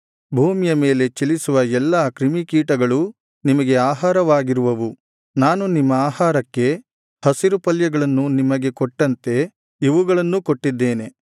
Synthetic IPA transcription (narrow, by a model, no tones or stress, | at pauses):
bʱuːmijɐme̞ːle̞t͡ʃilisuʋɐɛlːaːkɾimikiːʈɐɡɐɭu | nimɐɡe̞aːɦaːɾɐʋaːɡiɾuʋɐʋu | naːnunimːɐaːɦaːɾɐkːe̞ | hɐsiɾupɐljɐɡɐɭɐnːunimɐɡe̞koʈːɐnt̪e̞ | iʋuɡɐɭɐnːukoʈːid̪ːeːne̞